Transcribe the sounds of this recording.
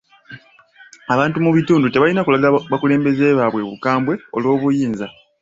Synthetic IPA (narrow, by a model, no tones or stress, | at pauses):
aβaːntumuβituːndute̞βalinakulaɡaβakule̞ːmbe̞ze̞ːβaβwe̞βukaːmbwe̞o̞̰lwo̞ːβujiːnza